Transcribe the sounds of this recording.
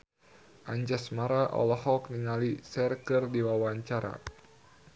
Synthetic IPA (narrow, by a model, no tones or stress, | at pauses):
ʔaɲd͡ʒasmaɾaʔɔ̰lɔɦɔk̚niŋalisɛrkɨrdiwawaɲt͡ʃaɾa̰